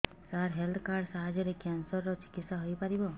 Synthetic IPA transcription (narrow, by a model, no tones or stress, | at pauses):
saɾɦelt̪ʰkaɾɖsaɦad͡ʒɔɾekjansɔɾːɔt͡ʃi̥kit̪sɔɦojpaɾibɔ